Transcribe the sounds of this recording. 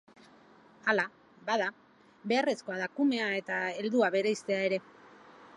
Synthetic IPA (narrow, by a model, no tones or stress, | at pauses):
ala | baða | be̞are̞sko̞aðakume̞ae̞t̪aeld̪uaβe̞ɾejst̪e̞ae̞ɾe̞